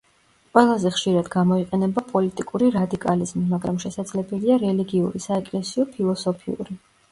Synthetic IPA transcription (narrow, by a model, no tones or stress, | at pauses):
qʼwɛlˠazɛχʃiɾad̪ɡamɔiqʼɛnɛbapʼɔlit̪ʼikʼuɾiɾad̪ikʼalizmimaɡɾamʃɛsad̪zlɛbɛliaɾɛliɡiuɾisaɛkʼlɛsiɔpʰilˠɔsɔpʰiṵɾi